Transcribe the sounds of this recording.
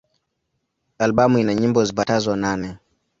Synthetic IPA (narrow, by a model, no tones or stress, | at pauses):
alɓamuinaɲimbɔzipatazɔnanɛ